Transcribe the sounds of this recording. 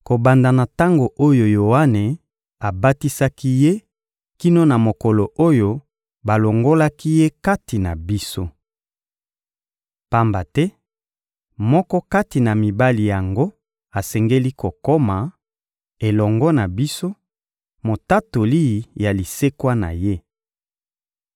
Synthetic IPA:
ko˨ba˨nda˨na˨ta˦ŋɡo˨ʔo˦jo˨jo˨a˦ne˨ | a˨ba˦ti˦sa˦ki˦je˦ | ki˦no˦na˨mo˨kɔ˨lo˨ʔo˦jo˦ | ba˨lo˨ŋɡo˦la˦ki˦je˦ka˦ti˨na̰˨bi˦so˦ | pa˦mba˨tɛ˦ | mɔ˦kɔ˦ka˦ti˨na˨mi˨ba˦li˨ja˨ŋɡo˦ | a˨sɛ˨ŋɡe˦li˦ko˨ko˦ma˨ | e˨lɔ˨ŋɡɔ˦na˨bi˦so˦ | mo˨ta˦to˨li˦˨ja˨li˨se˦kwa˦na̰˨je˦

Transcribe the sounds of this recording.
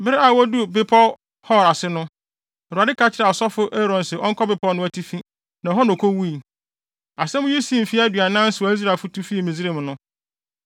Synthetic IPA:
bɪ˦ɾɪ˦a˨wɔ˦du˦bɪ˦pʰɔ˦ | hɔ˦˨ɾa˨sɪ˦nʊ̃˦˨ | ɾu˨a˨dɪ˦kʰa˦t͡ɕʰɪ˦ɾa˨ɔ˨sɔ˦fʊ˦ʔe˦ɾɔ̃˨nsɛ˨ʔɔ˦ŋ̩˦kʰɔ˦bɪ˨pʰɔ˦nʊ̃˦æ˦tʰi˦fĩ˦ | nã˨ɦɔ˦nɔ̃˨kʰo˦wu˦i˨ | a˨sɛ̃˦mʊ̃˦ji˦sĩ˦m̩˨fi˦a˦dɥa˨nã˦n̩˦sʊ˨ɔ˨˦i˦s̬ɾa˨fʊ˦tʰu˦fi˦e˨mĩ˨zɾe˨m˨nʊ̃˦

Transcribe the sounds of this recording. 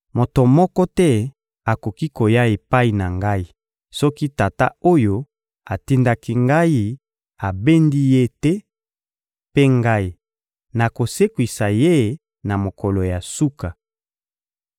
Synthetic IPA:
mo˨to˨mɔ˦kɔ˦tɛ˦ | a˨ko˨ki˦ko˨ja˦e˨pa˦i˨na˨ŋɡa˦i˦ | sɔ˦ki˦ta˨ta̰˦o˦jo˦ | a˨ti˦nda˦ki˦ŋɡa˦ji˦ | a˨be˦ndi˦je˦tɛ˦ | pe˦ŋɡa˦i˨ | na˨ko˨se˦kwi˨sa˨je˦ | na˨mo˨kɔ˨lo˨ja˨su˦ka˨

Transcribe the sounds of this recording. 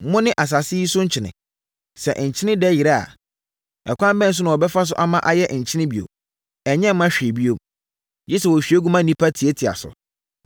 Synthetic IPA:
mʊ̃˦nɪ̃˦ʔa˨s̬a˨sɪ˦i˦sʊ˦ɲ̩˦t͡ɕʰɪ˨nɪ̰̃˨ | sɛ̰˨ʔɲ̩˨t͡ɕʰɪ˦nɪ̃˦dɛ˦ji˨ɾa˦˨a̰˨ | ɛ̰˨kʷʰã˦m˦bɛ̃˦n̩˦s̬ʊ˦nã˨ɔ˨bɛ˦fa˦s̬ʊ˦ʔa˦mã˦ʔa˦jɛ˦ɲ̩˨t͡ɕʰɪ˦nɪ̃˦bi˨o̰˨ | ɛ˨ɲɛ̃˦m˦mã˦ɕᶣe˨bi˦o˦ | d͡ʑi˦sɛ˨wɔ˨ɕᶣi˨˦e˦ɡu˦mã˦nĩ˦pʰa˦tʰi˨e˦tʰi˨a̰˨sʊ̰˨

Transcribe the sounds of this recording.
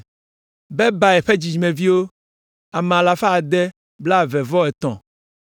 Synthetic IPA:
bɛ˦ba˨ɛ˨ɸɛ˦d͡ʑi˨d͡ʒi˨mɛ̃˨vi˦wo˦ | a˨mɛ̃˨a˨la˨fa˦a˨d̪ɛ˦ | bla˦˨vɛ˨vɔ˦ɛ˨t̪ɔ̰̃˨

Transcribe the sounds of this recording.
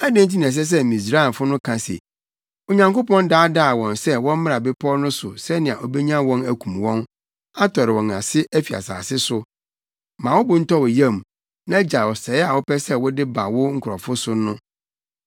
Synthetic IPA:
a˦dɪ̃˦n˦t̬i˦nĩ˨s̬ɛ˦s̬ɛ˦mĩ˨s̬ɾa˦˨fʊ˦nʊ̃˦kʰã˨sḛ˨ | o˨ɲã˨ŋko˦pɔ̃˦ndaː˦da˦˨wɔ̃˨nsɛ˦wɔ̃˦m˦mɪ̃˦ɾã˨bɪ˦pʰɔ˦nʊ̃˦sʊ˨sɛ˦nɪ̃˨ã˨ʔɔ˨bɛ˦ɲã˦wɔ̃˦næ˨kʰũ˨mwɔ̃˦n | a˦tʰɔ˨ɾɪ˨wɔ̃˨na˨sɪ˦ʔæ˦fi˨a̰˨sa̰ː˨sɪ˦sʊ˦ | mãː˨wʊ˦bʊ˨n̩˦tʰɔ˦wɔ˨jã˦˨m˨ | nã˦d͡ʑa˨wɔ˨sɛ˨ɪ˦a˨wɔ˦pɛ˦sɛ˦wʊ˦dɪ˦ba˨wʊ˦ŋ̩˦kʰʊ˨ɾɔ˨fʊ˦sʊ˦nʊ̃˦

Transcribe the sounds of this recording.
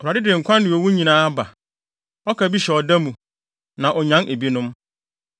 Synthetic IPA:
ɔ˨a˨dɪ˦dɪ˨ŋ̩˨kʷʰã˦ndɪ̃˨ɔ˨˦wu˦ɲĩ˨nãː˦ba˨ | ɔ˦kʰa˨bi˦ɕɛ˨ɔ˨da˦mũ˨ | nã˨ʔɔ˨ɲã˦nʔe˨bi˦nʊ̃˦m

